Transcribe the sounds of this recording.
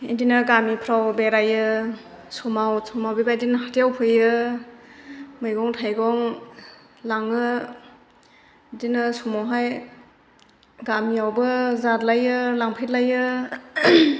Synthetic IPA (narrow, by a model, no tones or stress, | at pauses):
indinaɾɡamipʰɾawbeɾajɯ | sumawsumawbibajdinɦatijawpʰɯjɯ | mɯjɡɔŋtʰajɡɔŋ | laŋɯ | dinɯsumawɦaj | ɡamiawbɯzatlajɯlaŋpʰijtlajɯ